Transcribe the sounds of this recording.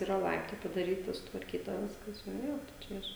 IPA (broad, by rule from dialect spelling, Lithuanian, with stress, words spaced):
iːˈrɐ ˈlˠɐɪptɐɪ pɐdɐˈrʲiːtɐ sʊtʋɐrʲˈkʲiːtɐ ˈʋʲɪskɐs ˈjoː ˈjoː tɐɪ ˈt͡ʃʲɛ ɪʃ